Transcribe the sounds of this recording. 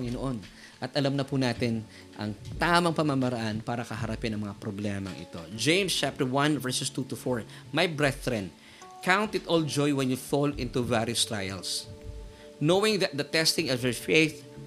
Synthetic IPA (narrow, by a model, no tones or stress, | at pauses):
ŋɪnoʔon | ʔɐt̪ʔɐlɐmnɐpunaːt̪ɪn | ʔɐ̰ŋt̪aːmɐŋpɐmamɐɾɐʔanpaːɾɐkɐɦɐɾɐpɪnɐ̃ŋmɐŋapɾoblɛmɐ̰ŋʔɪ̰t̪o̞̰d͡ʒẽjmst͡ʃap̚t̪ɛɹwɐ̃nvɛɹsʊst̪ut̪ʊfoɹ | majbɹɛθɾɛ̃n | kʰãwnt̪ɪt̪ʔɔld͡ʒɔjwɛ̃njufolɪ̃nt̪uvaɾjʊst̪ɹa̰jɛ̰ls | nowɪ̃ŋðɐt̪̚d̪ɐt̪ɛst̪ɪ̃ŋɔvjɛɹfejθ